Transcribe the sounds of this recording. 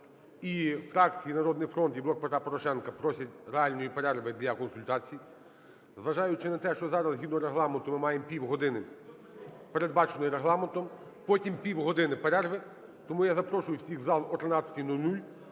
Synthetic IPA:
ifɾɑkt͡sʲijinɐɾɔd̪nɪjfɾɔnt̪iblˠɔk̚pet̪ɾɑpɔɾɔʃɛnkɐpɾɔsʲɐtʲɾeɑlʲnɔjipeɾɛrʋɪd̪lʲɐkɔnsʊlʲt̪ɑt͡sʲiji | zʋɐʒɑjʊt͡ʃɪnɐt̪ɛʃt͡ʃɔzɑɾɐzɦid̪nɔɾeɦlˠɑment̪ʊmɪmɑjempʲiwɦɔd̪ɪnɪ | pe̞ɾed̪̚bɑt͡ʃenɔjɾeɦlˠɑment̪ɔm | pɔtʲimpʲiwɦɔd̪ɪnɪpeɾɛrʋɪ | t̪ɔmujazɐpɾɔʃʊjʊwsʲiɣzɑlˠɔt̪ɾenɑt͡sʲːɐ̥tʲinulʲnulʲ

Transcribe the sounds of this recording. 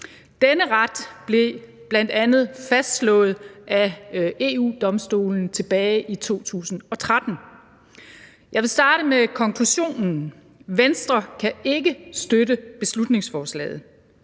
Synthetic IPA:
d̥enəʁad̥b̥le̝ | b̥læn̰d̥ænð̞̩ˠfæsd̥slɔ̰̽ːð̩ˠʔæe̝ːṵːd̥ɒ̽msd̥o̝̰ːln̩t͡sʰe̝b̥ɛːɪʔit͡sʰo̝̰ːt͡sʰṵːsn̩ɒ̽t͡sʰʁad̥n̩ | jɑ̈ɪʋe̝lsd̥ɑ̈ːɾ̥əmekʰɒ̽ŋkʰluɕo̝̰ːnn̩ | ʋensd̥ʁɐkʰæe̝ɡ̥əsd̥ødəb̥e̝slud̥ne̝ŋsfɒːslɛ̰ːð̞̩ˠ

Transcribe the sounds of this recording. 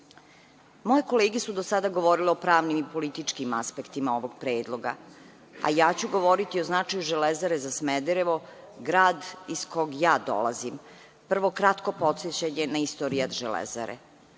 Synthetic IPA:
mojeko̞leːɡesud̪osad̪aɡo̞ʋo̞ɾileo̞pɾaːʋnimipo̞lit̪it͡ʂkimaspe̞kt̪imao̞ʋo̞ɡ̚pɾeːd̪lˠo̞ɡa̰ | a̰jaːt͡ɕuɡo̞ʋo̞ɾit̪ioznat͡ʂajuʒelezaɾezasmed̪eɾeʋo̞ | ɡɾaːd̪iskoɡjaːd̪o̰la̰zim | pr̩ʋo̞kɾat̪ko̞po̞t̪set͡ɕaɲenaist̪oːɾiad̪ʒelḛza̰ɾḛ

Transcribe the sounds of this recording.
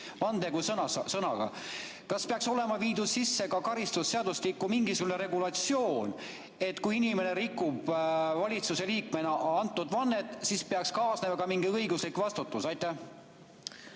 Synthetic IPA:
vɑnd̪eɡusɤnɑsɤnɑ̰ɡ̥ɑ̰ | kɑspeɑkso̞le̞mɑviːd̪̥ussisːe̞kɑkɑɾist̪usːe̞ɑd̪uslikːˑumiŋɡisuɡune̞ɾe̞ɡulɑt̪sjo̞ːn | e̞t̪ːˑkujinime̞ne̞ɾikːˑub̥vɑlʲit̪suse̞liːkme̞nɑɑnt̪ːˑud̪̥vɑnːe̞t̪ːˑsispeɑkskɑːsne̞mɑkɑmiŋɡiɤjɡuslikvɑst̪ut̪ːˑusɑjt̪ːˑæh

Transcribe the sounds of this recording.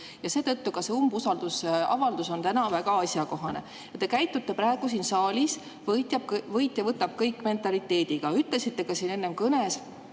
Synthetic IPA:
jɑse̞ːt̪ɤt̪ːukɑse̞umbusɑld̪̥usɑ̰vɑld̪uso̞nt̪ænɑvæɡɑɑsʲjɑko̞ɦɑne̞̰ | jɑt̪e̞kæjt̪ːˑut̪ːe̞pɾæːeɡ̥us̬iːnsɑːlʲis | vɤjt̪ʲjɑb̥̚kvɤjt̪ːˑjɑvɤt̪ːˑɑb̥̚kɤjkːˑme̞nt̪ːˑɑlit̪ːˑe̞ːd̪̥iɡ̥ɑyt̪ˑle̞sit̪ːe̞kɑsiːne̞nːe̞mkɤne̞s

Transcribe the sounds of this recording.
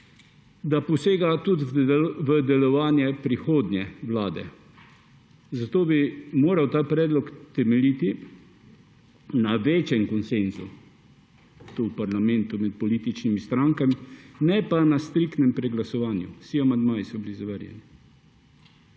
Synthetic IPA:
d̪apɔseːɡat̪ut̪ʋəd̪ɛlɔʋaːnjɛpɾixoːd̪njɛʋlaːd̪ɛ̰ | zat̪oːbimoːɾawt̪aːpɾɛːd̪lɔkt̪ɛmɛliːt̪i | naʋeːt͡ʃɛŋkɔnsenzu | t̪uwpaɾlamɛ̃nt̪umɛt̪̚pɔliːt̪it͡ʃnimist̪ɾaŋkaminɛpanast̪ɾikt̪nɛmpɾɛɡlasɔʋaːnjṵsiamand̪maːjisɔbilizaʋəɾjɛ̰ni

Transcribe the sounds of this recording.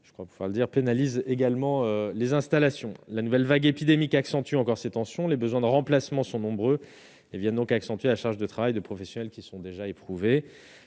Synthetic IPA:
ʒ̥ə̥kwapuvwa̰ʁləd̪iʁpenalizeɡalmɑ̃ølezɛ̃st̪alasjɔ̃lanuvɛlvaɡepid̪emikaksɑ̃t̪yɑ̃kɔʁset̪ɑ̃sjɔ̃lebəzwɛ̃d̪əʁɑ̃plasmɑ̃sɔ̃nɔ̃bʁø | evjɛ̃nd̪ɔ̃kaksɑ̃t̪ɥelaʃaʁʒd̪ət̪χavajd̪əpχɔfɛsjɔnɛlkʲisɔ̃d̪eʒaepχuve

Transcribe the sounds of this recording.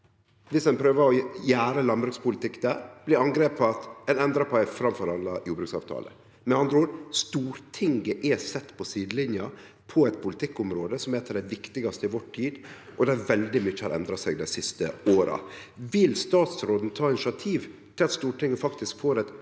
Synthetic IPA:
ʋɪsɛnpʰɾøːʋəɾɔjæːɾəlɑnbɾʉːkspʊlɪt̪ɪkːd̪æɾb̥lɪɾɑŋɡɾeːpɑt̪ɛnɛnd̪ɾɑpʰɔæɪfɾɑmfɔɾɑlːɑjuːbɾʉksɑ̰ʋt̪ʰɑ̰ːlə̰ | mɛnɑnd̪ɾəuːɾst̪uːɾt̪ʰɪŋɡəʔɛsɛt̪ːpʰɔsiːd̪lɪnjɑ | pʰɔɛɪt̪pʰʊlɪt̪ʰɪkːʊmɾoːd̪əsɔmæɛt̪ːɑd̪ɛʋɪkt̪ɪɡɑst̪əɪʋɔʈʰːiːd̪ʔɔd̪æɾʋɛld̪ɪmʏçːəhɑɾʔɛ̰nd̪ɾɑsɛɡd̪æɪsɪst̪ə̰oːɾɑ̰ʋɪlst̪ɑːt̪sɾoːd̪nt̪ʰɑːɪnɪʃɑt̪ʰiːʋt̪ʰɪlɑt̪st̪uːʈɪŋɡəfɑkt̪ɪskfoːɾɛt̪

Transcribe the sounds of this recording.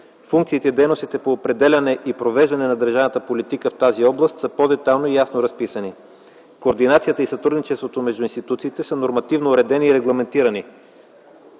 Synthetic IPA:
fuŋkt̪siːt̪ɛid̪ɛjnost̪it̪ɛpoːpɾɛd̪ɛlʲɐnɛʔipɾovɛʒd̪ɐnɛnɐd̪əɾʒavnət̪əpolit̪ikəft̪aziɔblˠəst̪səpod̪ɛt̪alˠnoijasnoɾɐspisəni | koːɾd̪inat̪sijət̪əisɐt̪ɾud̪nit͡ʃɛst̪vot̪omɛʒd̪ʊinst̪it̪ut̪siːt̪ɛsənoɾmɐt̪ivnoːɾɛd̪ɛniːɾɛɡlˠɐmɛnt̪iɾɐni

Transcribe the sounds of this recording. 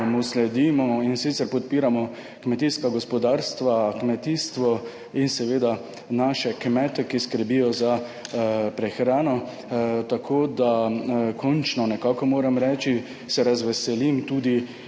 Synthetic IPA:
muslɛd̪iːmɔinsit̪sɛɾpɔt̪̚piːɾamɔ | kmɛt̪iskaɡɔspɔd̪aɾst̪ʋakmɛt̪iːst̪ʋɔ | insɛʋeːd̪a | naːʃɛkmɛːt̪ɛkiskəɾbijɔza | pɾɛxɾaːnɔ | t̪akʰoːd̪akʰɔnt͡ʃnɔnɛkaːkɔmoːɾamɾɛːt͡ʃi | sɛɾazʋɛsɛlimt̪ud̪i

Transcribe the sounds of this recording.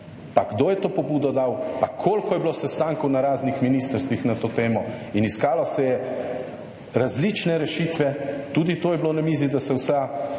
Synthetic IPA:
paɡd̪oːjɛt̪oːpɔbuːd̪ɔd̪awpakʰoːlkɔjɛblosɛst̪aːŋkɔwnaɾaːznixminiːst̪əɾst̪ʋixnat̪oːt̪eːmɔiniskaːlɔsɛjɛ | ɾazlit͡ʃnɛɾɛʃit̪ʋɛt̪uːd̪it̪oːjɛblonamizid̪asɛwsa

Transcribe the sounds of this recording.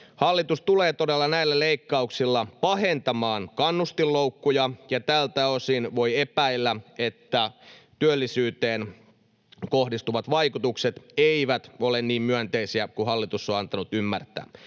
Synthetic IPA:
hɑlːit̪ust̪uleːt̪o̞delːɑnæilːæleikːɑuksilːɑpɑɦent̪ɑmɑːnkɑnːust̪ilːoukːujɑjɑt̪ælt̪æosinʋo̞jepæilːæet̪ːæt̪yølːisyːt̪eːn | kohdist̪uʋɑt̪ʋɑikut̪ukset̪eiʋæt̪olenniːmmyænt̪eisiækuhɑlːit̪usːoɑnt̪ɑnut̪ymːært̪æ̰ː

